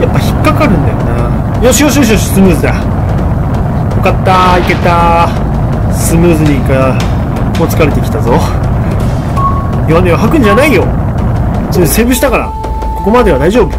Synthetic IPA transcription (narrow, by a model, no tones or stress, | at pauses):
japːaçi̥kːakaɾɯ̟̃nd̪ajo̞̰na | jo̞ɕijoɕijoɕ̬ijoɕi̥sɨmɯ̟ːzɨd̪a | okat̪ːaike̞t̪a | sɨmɯ̟ːzɨɲ̟ika | mot͡sɨ̥kaɾe̞t̪e̞kʲi̥t̪azo̞ | ianeβaɦakɯ̟̃ɲ̟d͡ʑanaijo̞ | sose̞ːbɯ̟ɕit̪akaɾa̰ | ko̞ko̞mad̪e̞βad̪aiʑo̞ːbɯ̟